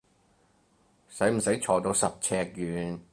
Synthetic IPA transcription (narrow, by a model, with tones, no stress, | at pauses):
sɐ˨˥jm̩˨˩sɐ˨˥jt͡ʃʰɔː˨t̪o˧wsɐ˨p̚t͡sʰɛː˧k̚jyː˨˧n